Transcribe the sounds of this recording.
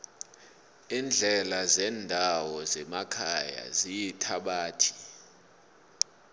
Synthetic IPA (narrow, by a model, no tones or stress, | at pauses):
ind͡ɮʱɛlazɛndʱawɔzɛmakʰaja̰zijitʰaɓaːtʰi̥